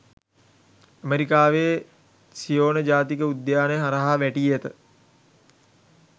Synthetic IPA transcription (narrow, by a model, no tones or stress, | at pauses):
əmeɾikaːʋeː | sijoːnəd͡ʒaːt̪ikəud̪jaːnəjəɦaɾəɦaʋæʈiːet̪ə